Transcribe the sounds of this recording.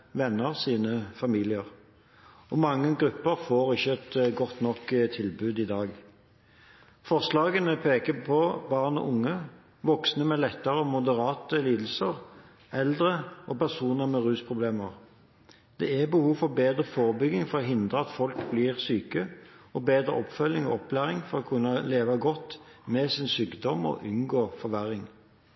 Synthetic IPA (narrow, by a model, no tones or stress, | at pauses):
ʋɛnːəʁsiːnəfɑmiːlɪəʁ | ɔmɑŋːəɡʁʉpːəʁfoːʁɪçəɛt̪ɡɔt̪nɔkt̪ʰɪlbʉːd̪ɪd̪ɑːɡ | fɔʁslɑːɡənəpʰeːkəpʰɔbɑʁnɔ̰ʔʊŋːə | ʋɔksnəmɛlɛt̪ːəʁəɔmʊd̪əʁɑːt̪əliːd̪l̩səʁ | ɛld̪ʁəʔɔpæʁsuːnəʁmɛʁʉːspʰʁʊbleːməʁ | d̪̥ɛ̰æbəhuːfɔʁbeːd̪ʁəfoːʁbʏɡɪŋfɔʁɔːɦɪnd̪ʁəɑt̪fɔlkbliːʁsyːkəɔbeːd̪ʁə̰ʔɔpfœlːɪŋɔ̰ɔpʰlæːʁɪŋfɔʁɔːkʰʉnːəleːʋɑɡɔt̪ː | mɛsɪnsyːkd̪ɔmɔ̰ʔʉnɡoːfɔʋæʁɪŋ